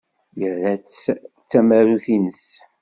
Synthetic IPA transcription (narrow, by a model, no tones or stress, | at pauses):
jəɾðæt͡sː | t͡sːæmæɾuθinəs